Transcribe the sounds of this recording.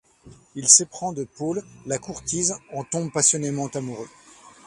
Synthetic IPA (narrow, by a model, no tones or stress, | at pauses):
ilsepχɑ̃d̪əpolːakuʁt̪izɑ̃t̪ɔ̃bpasjɔnemɑ̃t̪amuʁø